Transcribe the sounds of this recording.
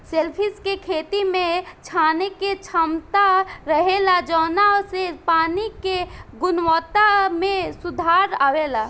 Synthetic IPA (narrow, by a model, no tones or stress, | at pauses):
selpʰɪskekʰeːt̪imẽt͡ʃʰaːneket͡ʃʰəmt̪aɾəɦelad͡ʒɔnasepaːnikeɡʊnwɔːt̪amẽsʊd̪ʱaːɾaːwela